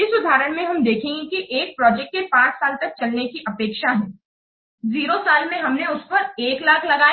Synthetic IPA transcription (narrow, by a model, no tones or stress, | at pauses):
ɪsʊd̪ʱaːɾəɽ̃mẽɦɐmd̪eːkʰẽːŋɡikiʔeːk̚pɾɔːd͡ʒɛk̚ʈ̚kepãːt͡ʃsaːlt̪ɐk̚t͡ʃɐlnekiʔɐpeːkʃaɦɛ̃ː | ziːɾosaːlmẽɦɐmneʊspɐɾeːklaːkʰlɐɡaː